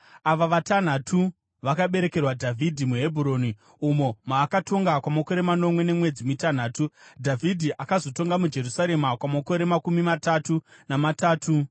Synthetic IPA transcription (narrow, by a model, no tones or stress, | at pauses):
aʋaʋatan̤atʰu | ʋakaɓe̞ɾe̞ke̞rwadʱavʱidʱimuɦe̞bʱuɾo̞ːni | umo̞maːkato̞ŋɡakwamako̞ɾe̞mano̞mwe̞ne̞mwe̞d͡zimitan̤aːtudʱavʱidʱiʔakazo̞to̞ŋɡamud͡ʒe̞rusaɾe̞makwamako̞ɾe̞makumimataːtunamataːtʰu